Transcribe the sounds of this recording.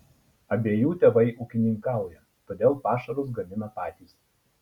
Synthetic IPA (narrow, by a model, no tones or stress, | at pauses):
ɐbʲeːjuːt̪ʲɛʋɐɪʔukʲɪnʲɪŋkɑˑʊjɛ | t̪oːd̪ʲeːlˠpɑːʃɐɾʊs̬ɡɐmʲɪnɐpɑːt̪ʲiːˑs